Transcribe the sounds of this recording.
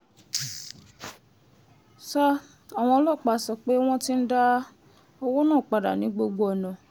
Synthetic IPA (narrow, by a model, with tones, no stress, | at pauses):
sa˦ | a˨w̃ɔ̃˧ɔ˧lɔ˦˨k͡pa˨sɔ˧k͡pe˨˦w̃ɔ̃˦ti˦n̩˦da˦ | o˧wo˦nãː˦˨k͡pa˨da̰˨nĩ˨˦ɡ͡bo˧ɡ͡bo˧˦ɔ˨nã˨